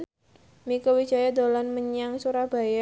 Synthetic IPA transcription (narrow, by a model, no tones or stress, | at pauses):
mikowi̥d͡ʒa̤jad̪olanməɲaŋsuɾahb̥a̤ja